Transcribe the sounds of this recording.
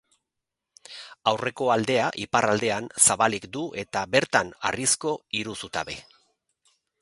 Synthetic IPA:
awre̞ko̞ald̪e̞aʔiparald̪e̞ansaβalikd̪uʔe̞t̪abe̞ɾt̪ana̰risko̞iɾusut̪a̰βe̞̰

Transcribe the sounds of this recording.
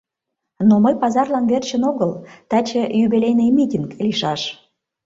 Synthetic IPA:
noməjpɑzɑrlɑnvert͡ɕə̆noɣəlt̪æt͡ɕəjuβilʲejnəjmitʲinkliʃɑʃ

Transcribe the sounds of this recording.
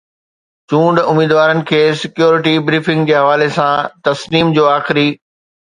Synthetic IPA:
t͡ɕũːɳɖʊmiːd̪ʋaːɾənɪ̆kʰeːsɪkjoːɾɪʈ̬ibɾiːfɪ̃ŋɡd͡ʑeːɦɐʋaːlesãt̪ɐsniːmd͡ʑoːaːxɪɾi

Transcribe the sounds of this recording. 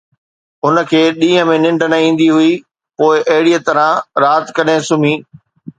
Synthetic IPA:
ʊnə̆kʰeːɗĩːɦə̃mẽnɪ̃ɳɖənɐĩːn̆d̪iɦʊi | poːɪʔɐɦɪɽiət̪ɐɾãɾaːt̪kɐɗẽsʊm̤ĩː

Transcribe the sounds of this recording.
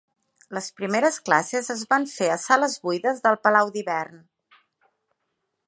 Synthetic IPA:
ləspɾimeɾəsklasəzəzβaɱfeəsaləzβujðəzðəlˠpəlawd̪iβɛrn

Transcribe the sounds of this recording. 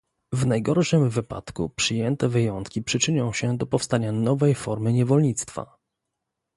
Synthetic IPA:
vnajɡɔɾʂɘmvɘpa̰t̪kṵpʂɘjɛnt̪ɛvɘjɔnt̪kʲipʂɘt͡ʂɘɲɔ̃w̃ɕɛd̪ɔpɔfst̪aɲanɔvɛjfɔɾmɘɲɛvɔlɲit̪st̪fa̰

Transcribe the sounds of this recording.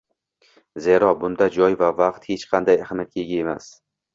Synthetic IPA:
ze̞ɾɒbʊnd̪ad͡ʒɒjvavaqt̪het͡ʃqʰɑnd̪ajahmat̪̚kʲʰeɡʲae̞mas

